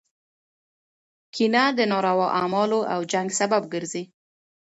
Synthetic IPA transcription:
kʰinad̪ənɑɾawɑʔamɑloʔawd͡ʒaŋɡsabab̚ɡəɾzi

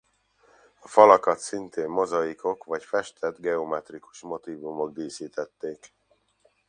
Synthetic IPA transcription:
ɒfɒlɒkɒt̪sint̪ʰeːmːo̞zɒjiko̞kvɒcfɛʃt̪ʰɛd̪ɡɛomɛt̪riku̥ʃmo̞t̪iːvumo̞ɡ̚d̪iːsiːt̪ɛt̪ːeːk

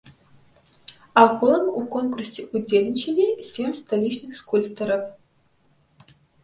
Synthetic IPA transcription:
axʷulˠəmukonkursʲeʔud͡zʲelʲɪnʲt͡ɕenʲesʲemst̪alʲit͡ɕnɨxskulʲpt̪oɾəf

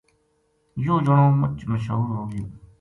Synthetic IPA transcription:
joːd͡ʒəɳõːmət͡ʃməʃɦuːɾɦoːɡjoː

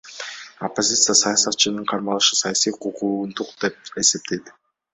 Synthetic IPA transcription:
opːo̞zʲit̪sɨjasɑjɑsɑt̪̚t͡ʃɯnɯɴqʰɑɾmɑlˠɯʃɯsɑjɑsijqʰuqʰuːnd̪uqd̪̥e̞p̚e̞se̞p̚t̪ʰe̞jd̪

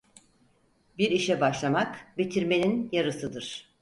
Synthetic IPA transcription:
biɾiʃɛbaʃlˠamakbit̪ʰiɾme̞ninjaɾɯsɯd̪ɯɾ̥

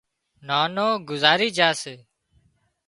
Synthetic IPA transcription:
naːnoːɡʊzaːɾiːd͡ʒaːseː

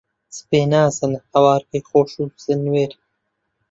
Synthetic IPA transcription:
speːnaːsɐnhɐwaːɾkixoːʂusenweːɾi

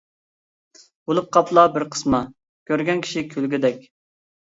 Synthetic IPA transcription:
bolˠʊp̚qʰɑplˠɑbɪɾqʰə̥smɑ | kʲʰøɾɡʲɛnkʲʰi̥ʃikʲʰølɡʲid̪ɛkʲ

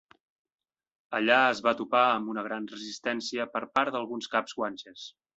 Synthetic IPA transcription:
əʎaəzβat̪upaəmbunəɣɾanrəzist̪ɛnsiəpəɾpaɾd̪əlˠɣunskabzɣwanʲt͡ʃes

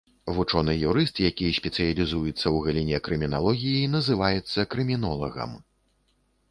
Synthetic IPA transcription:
vut͡ʂɔnɨjuɾɨst̪jakʲijsʲpʲɛt̪sɨjɐlʲizujut̪sːɐwɣɐlʲinʲɛkɾɨmʲinalˠɔɣʲijinɐzɨvajɛt̪sːɐkɾɨmʲinɔlˠɐ̰ɣɐ̰m

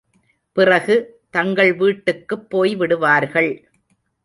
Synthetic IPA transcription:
pɪrɐɣɯ | t̪ɐŋɡɐɭʋiːʈːɯkːɯpːoːjʋɪɽɯʋaːɾɣɐɭ

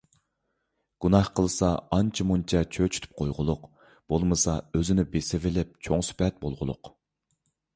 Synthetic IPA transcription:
ɡ̥unɑhqʰəlˠɨsɑɑnt͡ʃʰimunt͡ʃʰɛt͡ʃʰøt͡ʃʰy̥t̪ʰy̥p̚qʰojʁʊlˠʊq | b̥olˠmɨsɑøzɪnɪbesɪvɪlɪp̚t͡ʃʰoŋsy̥pɛt̪̚bolˠʁʊ̰lˠʊ̰q

